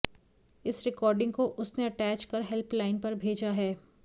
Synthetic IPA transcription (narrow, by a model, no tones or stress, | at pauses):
ɪsɾɪkɔːɾɖɪ̃ŋɡkoʔʊsneɐʈɛːt͡ʃkɐɾɦɛlplaːɪnpɐɾbʱeːd͡ʒaɦɛː